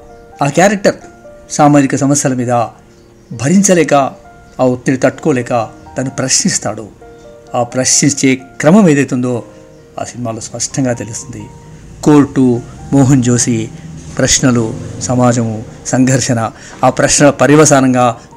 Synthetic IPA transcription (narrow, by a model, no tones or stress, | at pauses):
aːkjaːɾɐk̚ʈɐɾsaːmaːd͡ʒikɐsɐmɐsjɐlɐmiːd̪ɐ | bʱɐɾiɲt͡ʃɐlɛːkɐ | aːot̪ːiɽit̪ɐʈːu̥koːlɛːkɐt̪ɐnupɾɐʃnist̪a̰ːɽu | aːpɾɐʃnit͡ʃe̞ːkɾɐmɐmeːd̪ɐjt̪und̪o̞ː | a̰ːsinimaːloːspɐʂʈʰɐŋɡaːt̪e̞lusind̪i | koːɾʈumɔːɦɐnt͡ʃoːsipɾɐʂɳɐlusɐmaːd͡ʒɐmusɐŋɡʱɐɾʂɐnɐ | aːpɾɐʃnɐpɐɾiʋɐsaːɾɐŋɡaː